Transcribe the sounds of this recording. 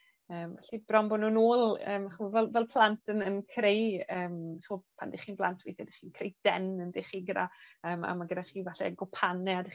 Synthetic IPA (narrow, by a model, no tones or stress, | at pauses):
əːmaɬibrɔmbɔnuːnoːlˠə̰ːmaχuvɛlˠvɛlˠpʰlˠantʰənənkʰrejəːmaχɔpʰa̰ndɪχiːnblˠa̰ntʰviːdɛdɪχiːnkʰrejd̥ɛnəndeχiɡɾaəːma̰maɡədaχiːvaɬɛ̰ɡɔpʰanɛadɪ